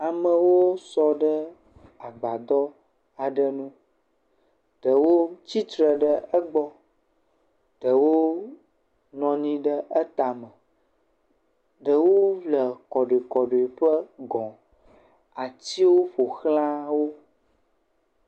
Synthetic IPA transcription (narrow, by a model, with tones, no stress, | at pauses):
a˨mə̃˨wo˦sɔ˨ɖə˦ | a˨ɡ͡ba˨d̪ɔ˦ | a˨ɖə˦nũ˦ | ɖ̥ə˨wo˦t͡ɕi˦t̪ɾə˨ɖə˦ə˦ɡ͡bɔ˦ | ɖ̥ə˨wo˦ | nɔ̃˨nĩ˦ɖə˦ʔə˦t̪a˨mə̃˨ | ɖə˨wo˦vlə˨kɔ˨ɖo˨e˨kɔ˨ɖo˨e˨ɸə˦ɡɔ̃˨ | a˨t̪i˦wo˦ɸo˨xlã˦wo˦